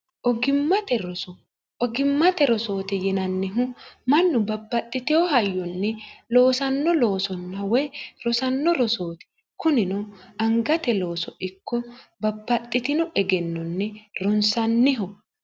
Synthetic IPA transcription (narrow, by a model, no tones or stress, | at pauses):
ʔɔɡɪmːɐt̪ɛɾɔsɔ | ɔɡɪmːɐt̪ɛɾɔso̞ːt̪ɛjɛnɐnːɪɦʊmɐnːʊbɐbːɐt̪ʼːɪt̪ɛɔɦɐjːɔnːɛloːsɐnːɔlo̞ːsɔnːɐwɔjɾɔsɐnːɔɾɔsoːt̪ɛ̥ | kʊnɪnɔɐŋɡɐt̪ɛlo̞ːsɔʔɪkːɔbɐbːɐt̪ʼːɪt̪ɪnɔʔɛɡɛnːɔnːɛɾɔnsɐnːɪɦɔ